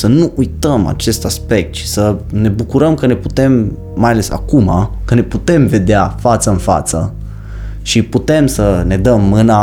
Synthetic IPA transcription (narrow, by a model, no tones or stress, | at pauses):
sənuʔujt̪əma̰t͡ʃe̞st̪aspe̞k̚t̪ʃi̥səne̞bukuɾəmkəne̞put̪e̞mː | ajale̞sa̰kuma̰kəne̞put̪e̞mve̞d̪eafat̪səɨnfa̰t̪sə̰ | ʃiput̪e̞msəne̞d̪əmːɨna